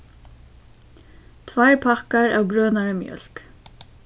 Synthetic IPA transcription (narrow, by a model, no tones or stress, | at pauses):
t̪ʰvajɹpʰakaɹa̰ːwɡɾœːnaɹəmjœ̰l̥k